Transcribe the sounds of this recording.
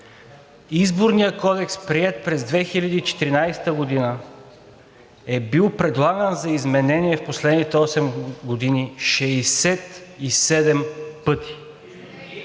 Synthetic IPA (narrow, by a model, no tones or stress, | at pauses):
izboɾnijəkɔd̪ɛkspɾiɛt̪̚pɾɛzd̪vɛxilʲɐd̪iːt͡ʃɛ̥t̪iɾinajsɛ̥t̪əɡod̪inə | ɛbilˠpɾɛd̪lˠaɡənzɐizmɛnɛniɛfposlɛd̪nit̪ɛɔsɛmɡod̪iniʃɛsɛt̪isɛd̪ɛmpɤt̪ʰi̥